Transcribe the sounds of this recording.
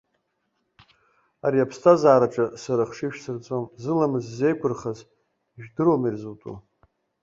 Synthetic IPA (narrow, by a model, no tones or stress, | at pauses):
aɾiapʰstʰazaːɾaʈ͡ʂʼasaɾaχʂiʃᶣsɨrt͡sʷʼomzɨlamɨzze̞jkʷʰʊrχaz | ʒᶣdɨɾomirzutʼṵ